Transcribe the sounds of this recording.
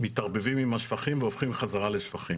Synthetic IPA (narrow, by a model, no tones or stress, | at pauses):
mitaʁbevimimaʃfaχimveofχimχazaʁaleʃfaχim